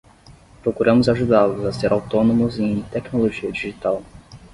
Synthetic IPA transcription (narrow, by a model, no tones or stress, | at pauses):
pɾokuɾɐ̃mʊzaʒud̪alʊzaseɾʔawt̪onomʊzẽj̃t̪ɛknoloʒiɐd͡ʒiʒit̪aw